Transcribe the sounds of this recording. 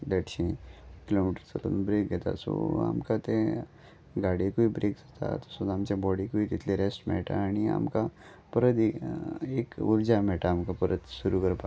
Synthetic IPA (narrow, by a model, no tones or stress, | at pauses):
leʈɕĩkilomiʈəɾsələnbɾek̚ɡɛt̪a̰so̰a̰mkat̪ẽ | ɡaɽekuibɾekd͡zat̪ʰa̰t̪əsod̪amt͡ɕjabɔɽikuit̪it̪ʰleɾesʈmɛ̰ɭʈa̰ːɽ̃ia̰mka | pəɾəd̪iekuɾd͡ʑamɛɭʈaːmkapəɾət̪suɾukəɾpa